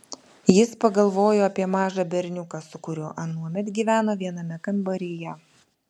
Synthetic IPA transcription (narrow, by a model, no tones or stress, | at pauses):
jɪspɐɡɐlˠʋoːjoːɐpʲiɛmɑːʒɐbʲɛɾʲnʲʊkɑsʊkʊɾʲʊʔɐnuɔmʲɛt̪ʲɡʲiːʋʲæːnoːʋʲiɛnɐmʲɛkɐmbɐɾʲɪjɛ